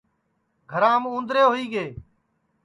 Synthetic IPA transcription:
ɡʱəɾãːmũːnd̪ɾeːɦʊiːɡeː

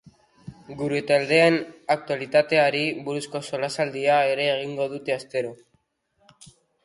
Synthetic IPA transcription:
ɡuɾet̪ald̪e̞anak̚t̪ualit̪at̪e̞aɾiβuɾusko̞so̞lasald̪iae̞ɾe̞ːɣ̞iŋɡo̞ð̞ut̪e̞ast̪e̞ɾo̞

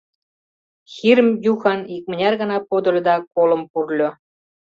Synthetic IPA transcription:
xiɾəmjuxɑnik̚mə̆nʲɑrɣə̆nɑpod̪ə̆lʲə̆d̪ɑkolə̆mpurlʲo

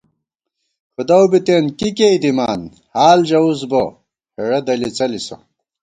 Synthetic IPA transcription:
xud̪ɐwbit̪eːnkikeid̪imaːn | haːld͡ʑɐusbo | heɽɐd̪ɐlit͡sɐliso̰

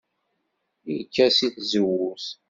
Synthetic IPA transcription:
ikːæsiθzəwʊθ

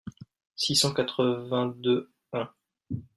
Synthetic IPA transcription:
sisɑ̃kat̪χəvɛ̃d̪ø | ɛ̃

